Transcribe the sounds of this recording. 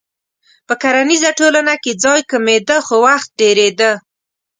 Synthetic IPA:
pəkaɾanizaʈolanaked͡zɑjkamed̪əxowaxt̪̚ɖeɾed̪ə

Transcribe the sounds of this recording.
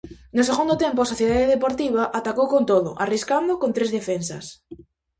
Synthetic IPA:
noseɣund̪ot̪empʊasoθjeðaðeðepoɾt̪iβ̞aʔat̪akowkont̪oðʊ̰ʔariskand̪okont̪ɾezðefensa̰s

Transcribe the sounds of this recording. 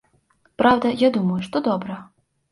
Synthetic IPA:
pɾawd̪ɐjad̪umɐjuʂt̪ɔd̪ɔbɾɐ

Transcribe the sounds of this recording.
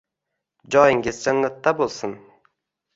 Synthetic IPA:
d͡ʒɒjɪŋɡʲɪzd͡ʒanːat̪ːabolˠsʊn

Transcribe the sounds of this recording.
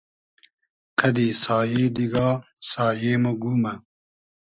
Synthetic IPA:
kʰɐd̪isɑːjeːd̪iɡɑː | sɑːjeːmoɡuːmɐ

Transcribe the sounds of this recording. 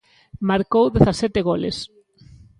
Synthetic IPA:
maɾkowðeθasɛt̪eɣolḛs

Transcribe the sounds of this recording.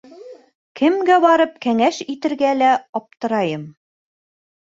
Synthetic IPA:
kɘ̆mɡæbɑɾɤp̚kæŋæʃit̪ɘ̆ɾɡælæɑp̚t̪ɤ̆ɾɑjɤm

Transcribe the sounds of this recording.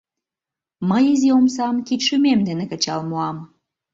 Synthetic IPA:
məjiziomsɑmkit̪ʃymemd̪enekə̆t͡ɕɑlmoɑm

